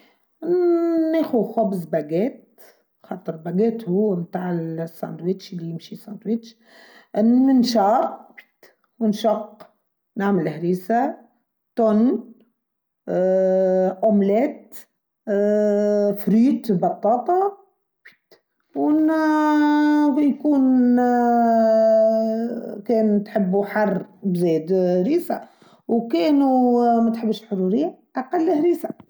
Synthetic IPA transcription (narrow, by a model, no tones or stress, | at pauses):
neːxuxɑbzbæɡɛːt̪̚ | xɑt̪ˤːɨɾˤbæɡɛːt̪hʊwːmt̪aːʕɪlsːɑ̰nd̪wiːt̪ʃlːijɪmʃisɑnd̪wiːt̪ʃ | nnʃɑːɾˤwi̥t̪ | wnʃɑqː | naʕmɪlhɾiːsa | t̪ʊn | ʕʔʊmleːt̪ | fɾiːt̪bɑt̪ˤːɑːt̪ˤɑ | t̪ | kun | jkuːn | kɛːnt̪ħɪbːuħɑrˤːbzɛːd̪hɾiːsa | wkɛːnumæt̪ħəbːʃħʊɾˤuːɾɪjːaʔɑqɑlːhɾiːsa